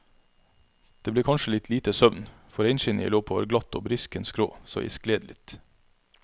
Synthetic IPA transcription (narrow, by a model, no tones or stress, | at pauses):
d̪̥eːbleːkʰɑnʃəlɪt̪ʰliːt̪əsœʋn | fɔɾɛɪnʃɪnḭloːpʰoːʋæ̰ɾɡlɑt̪ːo̰ːbɾɪskənskɾo̰ːso̰ːʔḭskleːd̪lɪt̪